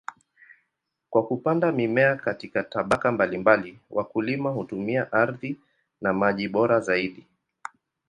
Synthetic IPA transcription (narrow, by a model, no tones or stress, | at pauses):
kwakupandamimɛakatikataɓakambalimbaliwʔakulimahutumiaʔaɾði | namaʄiɓɔɾazaiɗi